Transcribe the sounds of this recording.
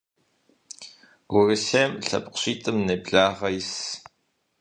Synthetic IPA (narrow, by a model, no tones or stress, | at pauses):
wʊrɨseːmɬɐ̰pʼqɕiːtʼɨmnebɮaːʁɐjs